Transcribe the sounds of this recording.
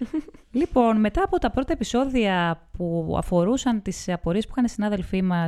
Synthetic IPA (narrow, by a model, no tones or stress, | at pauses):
lipo̞nme̞t̪ɐːpo̞t̪ɐpɾo̞t̪ɐe̞piso̞ðiɐpuɐ̰fo̞ɾusɐnt̪isɐpo̞ɾipu̥xɐnisinɐðe̞lfimɐ